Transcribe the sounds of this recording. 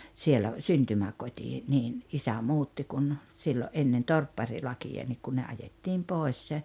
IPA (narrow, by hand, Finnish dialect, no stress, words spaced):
sielæ syntymækotʲi niːn isæ muːtːi kun siːloʔ ʔenːen torpːɑrilɑkijɑ nik kun ne ɑjetːiːm poˑes